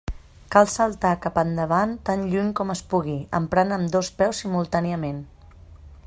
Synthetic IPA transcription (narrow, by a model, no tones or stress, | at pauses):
kalˠsəlˠt̪akapənd̪əβ̞ant̪anʎuɲkɔməspuɣiə̰mpɾanəmd̪ospɛwsimulˠt̪aniəmen